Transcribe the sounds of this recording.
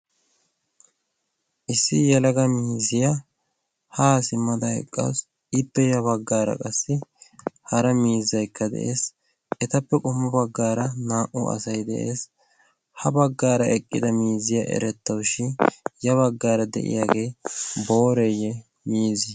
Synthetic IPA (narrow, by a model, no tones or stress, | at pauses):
ʔɪsːɪjɛlɐɡɐmiːzɪja | haːsɪmːɐd̪ɐhɛ̰kʼːa̰s | ɪpːɛjɐβɐɡːaːɾɐ̰kʼɐsːɪhɐɾɐmiːzːɐjkːɐd̪ɛ̰ʔḛːs | ʔɛt̪ɐpːɛkʼʊmːʊbɐɡːaːɾɐnaːʔʊ̰ɐ̰sɐjd̪ɛ̰ʔḛːs | hɐbɐɡːaːɾɐʔɛkʼːɪd̪ɐmiːzɪja̰ʔɛ̰ɾɛt̪ːɐwʃɪjɐβɐɡːaːɾɐd̪ɛ̰ʔɪ̰jaːɡe̞ːbo̞ːɾɛjɛ | miːzɪ